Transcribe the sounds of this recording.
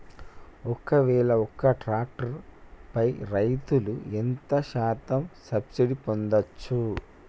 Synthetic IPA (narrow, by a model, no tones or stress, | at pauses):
ɔkɐʋɛːɭɐɔkːɐʈɾaːk̚ʈɐɾpɐjɾɐjt̪uluent̪ɐʃaːt̪ɐmsɐbsiɖipond̪ɐt͡ʃːu